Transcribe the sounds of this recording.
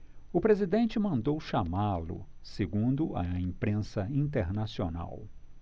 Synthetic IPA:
ʊpɾezid̪ẽnt͡ʃɪmɐ̃nd̪owʃamalʊ̰seɡũnd̪ʊɐ̰ĩpɾẽsɐĩnt̪eɾnasiona̰w

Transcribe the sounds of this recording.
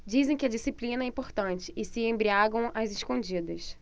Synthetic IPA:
d͡ʒizẽj̃kɪɐd͡ʒisiplĩnɐɛĩpoɾt̪ɐ̃nt͡ʃɪ̥ɪsɪẽmbɾiaɡɐ̃w̃ɐzɪʃkõd͡ʒid̪ɐs

